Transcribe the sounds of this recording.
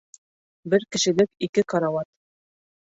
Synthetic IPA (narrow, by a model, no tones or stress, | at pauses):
bɘɾkɘ̆ʃɘ̆lɘkikɘqɑɾɑwɑt̪